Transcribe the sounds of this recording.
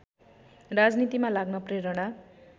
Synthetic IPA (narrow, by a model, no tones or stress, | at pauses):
rad͡znit̪imalaɡnʌpreɾʌɽ̃a